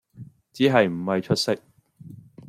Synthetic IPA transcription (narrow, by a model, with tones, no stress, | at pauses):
t͡siː˨˥ɦɐ˨jm̩˨˩hɐ˨jt͡ʃʰɵ˥t̚sɪ˥k̚